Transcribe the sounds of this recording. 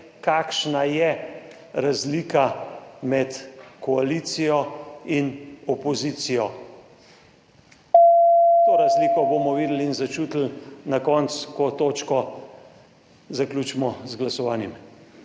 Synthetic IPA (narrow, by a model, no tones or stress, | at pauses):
kakʃnajɛ | ɾazliːkamɛt̪kɔaliːt̪sijɔinɔpɔziːt̪sijɔ | t̪oɾazlikɔbomɔʋiːd̪l̩inzat͡ʃuːt̪l̩nakɔːnt̪skɔt̪oːt͡ʃkɔ | zaklʲuːt͡ʃmɔzɡlasɔʋaːnjɛm